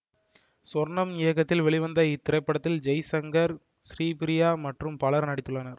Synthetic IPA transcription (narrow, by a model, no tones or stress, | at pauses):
sɔɾɳɐmɪjɐkːɐt̪ːɪlʋɛɭɪʋɐnd̪ɐɪt̪ːɪɾɐɪpːɐɽɐt̪ːɪld͡ʒɐjsɐŋɡɐɾ | sɾiːpɪɾɪjaːmɐʈrɯmpɐlɐɾnɐɽɪt̪ːɯɭːɐnɐɾ